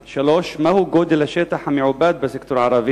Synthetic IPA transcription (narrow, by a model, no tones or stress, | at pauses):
ʃæloːʃmæhuɡoːd̪elæʃet̪aħamiʕobæːd̪̚bæsekt̪oɾʕɑɾˤɑbe